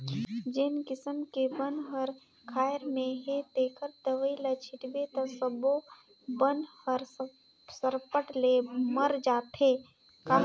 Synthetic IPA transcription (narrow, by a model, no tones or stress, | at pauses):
d͡ʒenkɪsəmkebənɦəɾ | kʰaːjɾmẽɦet̪eːkəɾd̪əʋəilat͡ʃʰɪʈbet̪ɐsəbo | bənhəɾ | səɾpəʈleməɾd͡ʒaːt̪ʰeː | ka